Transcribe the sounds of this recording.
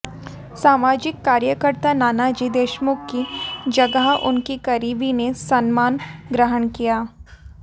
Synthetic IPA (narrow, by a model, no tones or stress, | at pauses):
saːmaːd͡ʒɪkːaːɾjəkəɾt̪anaːnad͡ʒiːd̪eːʃmʊkkid͡ʒɐɡəɦʊ̰nkikɐɾiːbinesɐnmaːnɡɾəɦənkijaː